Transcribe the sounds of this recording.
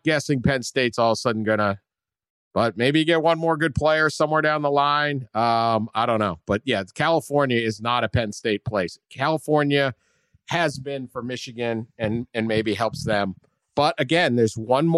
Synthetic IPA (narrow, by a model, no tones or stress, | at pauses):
ɡ̥ɛsɪ̃ŋpʰɛ̃nsteɪtsɔlˠəsʌdⁿn̩ɡʌñə | b̥ʌt̚meɪbijɨɡɛt̚wʌ̃nmɔɹɡʊd̚pʰl̥eɪə˞sʌ̃mwɛɹɾãʊ̃nðəlãɪ̃nʌ̃maɪɾõʊ̃nːoʊb̥ʌt̚jækʰælˠəfɔɹnjɨɪznəɾɨpʰɛ̃nsteɪt̚pʰl̥eɪskʰælˠəfɔɹnjɨ | ɨzbɪ̃nfə˞mɪʃɨɡɨ̃nɨ̃nɨ̃nmeɪbiɦɛlˠpsðɨ̃m | b̥ʌɾʔɨɡɛ̃nðə˞zwʌ̃nm